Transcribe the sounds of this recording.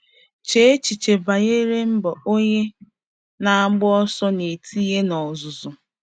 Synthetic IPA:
t͡ʃe˦e˦t͡ʃi˨t͡ʃe˨ba˨ɣe˦ɾe˦m̩˦bɔ˨o˦ɲe˦ | na˨a˦ɡ͡bʊ˦ɔ˦sɔ˦ne˨tʰi˦je˦nɔ˨zʊ˨zʊ˨

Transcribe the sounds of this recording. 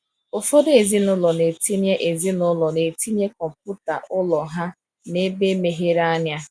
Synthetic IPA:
ʊ˨fɔ˦de˨zi˦nʊ˦lɔ˨ne˨ti˦nje˦ʔe˨zi˦nʊ˦lɔ˨ne˨ti˦n˦e˦kɔ˨m˨pʊ˦ta̰˨ʔʊ˦lɔ˨ɦa˦ | ne˦be˦me˨ɦe˦ɾa˦nja˦

